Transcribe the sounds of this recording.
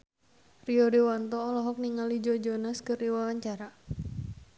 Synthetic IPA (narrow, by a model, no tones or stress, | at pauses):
riɔdewant̪ɔːlɔɦɔk̚niŋalid͡ʒɔd͡ʒɔnaskərdiwawaɲt͡ʃaɾa